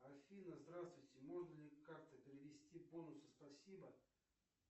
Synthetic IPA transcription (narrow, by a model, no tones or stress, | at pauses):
ɐfʲinəzd̪ɾast̪vʊjtʲɪmo̞ʐnəlʲɪkak̚t̪əpʲɪɾʲɪvʲɪsʲtʲibonʊsɨ̥spɐsʲibə